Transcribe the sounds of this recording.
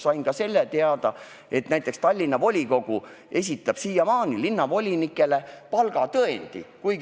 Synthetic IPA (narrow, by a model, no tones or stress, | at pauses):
sɑjnkɑse̞lːet̪e̞ɑd̪̥ɑ | e̞t̪næjt̪ːˑe̞kst̪ɑlʲːinːɑvo̞lʲiko̞ɡ̥u | e̞s̬ʲit̪ːˑɑb̥siːjɑmɑːnilinːɑvo̞lʲinikːˑe̞le̞pɑlɡ̥ɑt̪ɤend̪̥ḭkujɡ